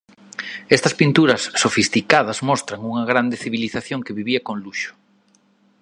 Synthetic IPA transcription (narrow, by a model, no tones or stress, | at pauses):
ɛst̪ɐspint̪uɾɐsːofist̪ikaðɐzmɔst̪ɾɐŋuŋɐɣɾand̪eθiβiliθaθjoŋkeβiβiɐkoŋluʃʊ̥